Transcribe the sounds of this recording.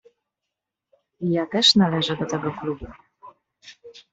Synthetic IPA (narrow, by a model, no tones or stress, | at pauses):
ijat̪ɛʂnalɛʐɛd̪ɔt̪ɛɡɔklubu